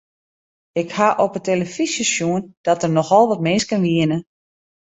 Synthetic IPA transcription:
ɪkhaʔopəteləfisəsjuənd̥ɔtərnɔxɔlˠʋɔtmɪnskənʋiənə

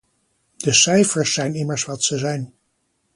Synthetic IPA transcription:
d̥əsɛjfəɹsːɛjnɪməɹsʋɑtsəzɛjn

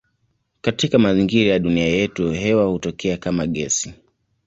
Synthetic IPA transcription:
katikamaziŋɡiɾajaɗuniajɛtuɦɛwahutɔkʰɛakamaɠɛsi

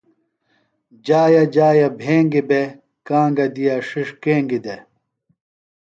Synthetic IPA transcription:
d͡ʑaːjɐd͡ʑaːjɐbʱeːŋɡibe | kãːŋɡɐd̪ijaʂiʂkeːŋɡid̪e

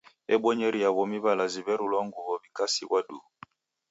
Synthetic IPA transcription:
ɛɓɔɲɛɾiaβɔmiβalaziβɛɾulɔŋɡuβɔβikasiɣwadu

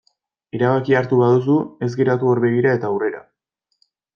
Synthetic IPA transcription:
eɾaβ̞akiaɾt̪uβaðus̬ue̞zɡeɾat̪uoɾβe̞ɣ̞iɾae̞t̪aːwre̞ɾa̰

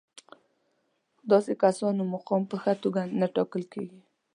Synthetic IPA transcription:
d̪ɑsekasɑnomʊqɑmpəxat̪oɡanaʈɑkəlkḛɡi

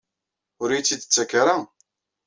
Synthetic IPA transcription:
ʊɾijt͡sːid̪ət͡sːækːaɾa

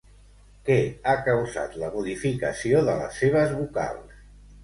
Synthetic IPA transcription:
kɛakəwza̰t̪ləmuðifikəsioðələ̰sːeβ̞əzβuka̰lˠs

